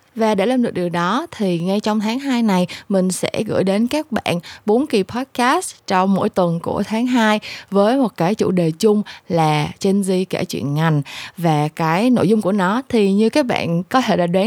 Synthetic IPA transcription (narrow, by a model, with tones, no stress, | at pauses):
vaː˨˩ɗḛ˧˩laː˧mɗɨ˨˩ɗɨ˨˩əŋ̚ɗɔ˨˦t̪ʰi˨˩ŋa˧jt͡ɕɔ˧wŋ͡mt̪ʰaː˨˦ŋɦaː˧jna˨˩jmï˨˩ŋ̟sɛ̰˧˥ɣɨ̰˧˩˨jɗe˨˦nkaː˦˥k̚ɓa̰ː˧˨nɓo˨˦nki˨˩pʰɔ˦˥t̚kaː˦˥st͡ɕɔ˧wŋ͡mmo̰˧˥˨jt̪wə˨˩nku˧˩ət̪ʰaː˨˦ŋɦaː˧jvəː˨˦jmo˨˩t̚kaː˨˦jt͡ɕṵ˧˨˩ɗe˨˩t͡ɕʊ˧ŋ͡mlaː˨˩t͡ɕe˧nzi˧kaː˧˩t͡ɕwḭ˧˨ənŋa˨˩jŋ̟vaː˨˩kaː˨˦jno̰˧˨jzʊ˧ŋ͡mku˧˩ənɔ˨˦t̪ʰi˨˩ɲɨ˧kaː˨˦˥k̚ɓa̰ː˧˨nkɔ˨˦t̪ʰe˧˩ɗaː˧˩ɗwaː˨˦